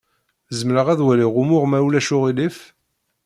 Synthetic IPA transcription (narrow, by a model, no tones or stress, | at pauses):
zəmɾəʁæðwæliʁʊmʊʁmæwlæʃʊʁilif